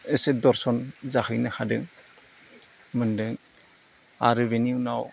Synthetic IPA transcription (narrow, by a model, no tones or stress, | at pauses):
esedɔɾsɔnzahɯjnahadɯŋ | mɯndɯŋ | a̰ɾɯbeniunaw